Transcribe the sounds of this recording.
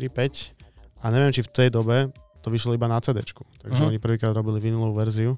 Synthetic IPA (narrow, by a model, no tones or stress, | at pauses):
ɾipɛcaɲɛʋɪɛmt͡ʃift̪ɛjd̪ɔbɛt̪ɔʋiʃlɔibanat͡sɛːd̪ɛ̰t͡ʃku̥t̪aɡʒɛɔɲipr̩ʋiːkɾaːd̪ɾɔbiliʋinulɔuʋɛɾziu